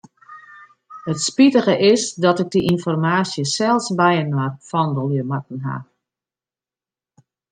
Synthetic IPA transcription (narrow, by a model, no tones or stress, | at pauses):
hətspitəɣəʔɪsdɔtɪk̚diʔinfɔrmaːsjəsɛlˠsbɛjənwarfɔndəlˠjəmat̚n̩ɦa̰